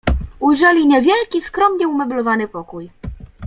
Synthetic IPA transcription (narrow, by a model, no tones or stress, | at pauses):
ujʐɛlʲiɲɛvʲjɛlkʲiskɾɔmɲɛumɛblɔvanɘpɔkuj